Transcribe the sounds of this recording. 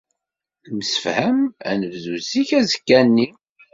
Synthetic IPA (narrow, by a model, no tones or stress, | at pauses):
məsə̥fhəmæ̰nəvðuziçæzəkːænːi